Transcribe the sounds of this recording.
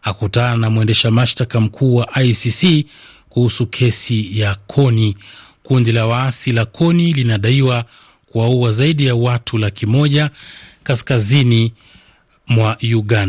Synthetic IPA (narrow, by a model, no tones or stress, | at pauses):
akutananamwɛndɛʃamaʃtakam̩kʰuːwaʔajsisikuhusukʰɛsijakʰɔnikundilawaasilakʰɔnilinaɗaiwa | kuwauazaiɗijawatʰulakʰimɔʄakaskazini | mwajuɠanda